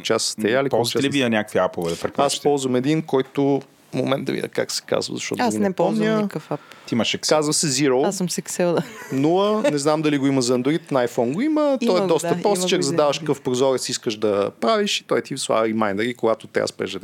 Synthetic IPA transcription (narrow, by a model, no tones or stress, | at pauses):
t͡ʃasst̪ɛjalikpɔɔzɛlivinɐnʲakəkviapʊvɛd̪ɐpɾɛpɾspt̪ɔlˠzvəmɛd̪inkɔjt̪ʊ | mo̰mɛnt̪d̪ɐvḭd̪ʲə̰ka̰ksɛ̥ka̰zvə̰zɐʃt̪ɔ̰t̪aɡinnɛpɔmɲʲəkəfapt̪iimɐʃɛkazvəsɛziɾolˠassmsɛksɛld̪nulənɛznamd̪ɐliɡʊiməzɐːnd̪ʊɾit̪nɐajfɔnɡoimət̪ɔɛd̪ɔst̪əɾɔst͡ʃakzɐd̪avəʃkɐkəfpɾozɔɾət̪siskəʃd̪ɐpɾaviʃi̥t̪ɔit̪ʲisva̰ɾimajnd̪əɾikoɡat̪ʊt̪ɛ̰a̰spɾɛ̰ʒɛd̪